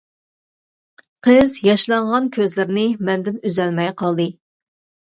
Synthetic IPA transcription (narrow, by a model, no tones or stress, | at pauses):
qʰəzjɑʃlˠɑɴʁɑnkʲʰøzlɪɾnɪmɛnd̪ɪnyzɛlmɛjqʰɑlˠd̪ɨ